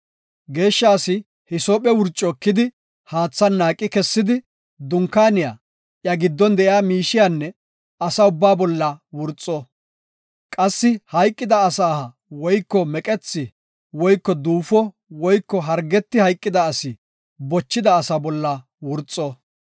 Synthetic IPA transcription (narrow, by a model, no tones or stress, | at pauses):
ɡe̞ːʃːaːsɪ | hɪsɔpʼɛwʊɾt͡ʃʼːɔkːɪd̪ɪ | haːt͡sːɐnːaːkʼːɪkɛsːɪd̪ɪ | d̪ʊŋkːaːnɪja | ʔjɐɡɪd̪ːɔnd̪ɛʔjaːmiːʃɪjanːɛ | ɐsɐʊbːaːbɔlːɐwʊɾt͡sʼːɔ | kʼɐsːɪhɐjkʼːɪd̪ɐːsaːhɐ | wɔjkːɔmɛkʼɛt͡sːɪ | wɔjkːɔd̪uːfɔ | wɔjkːɔɦɐɾɡɛt̪ːɪhɐjkʼːɪd̪ɐːsɪ | bɔt͡ʃːɪd̪ɐːsɐbɔlːɐ | wʊɾt͡sʼːɔ